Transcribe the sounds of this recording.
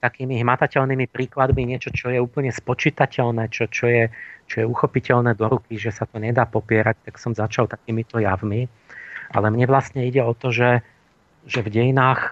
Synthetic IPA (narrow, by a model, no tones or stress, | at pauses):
t̪akiːmiɦmat̪acɛʎnimipɾiːklad̪miɲɪɛt͡ʃɔt͡ʃɔjɛuːpl̩ɲɛspɔt͡ʃit̪acɛʎnɛːt͡ʃɔt͡ʃɔjɛt͡ʃɔjɛuxɔpicɛʎnɛːd̪ɔɾukiʒɛsat̪ɔɲɛd̪aːpɔpɪɛɾac̚t̪aksɔmzat͡ʃalt̪akiːmit̪ɔjavmi | a̰lɛmɲɛʋlasɲɛiɟɛɔt̪ɔʒɛ | ʒɛvɟɛjinaːx